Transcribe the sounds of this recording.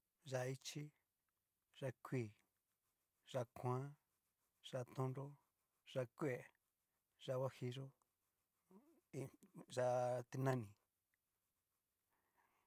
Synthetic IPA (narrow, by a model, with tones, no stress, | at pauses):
ʒa˧i˦t͡ʃi˦ | ʐa˧kʰʷi˧˨ | ʐ̥a˧kʰʷã˦ | ʐ̥a˧t̪õ˦nɾo˦ | ʐa˧kʷe˨ | ʐa˧wa˦hi˧ʐo˦ | i˧ʒa˧t̪i˧nã˦nĩ˨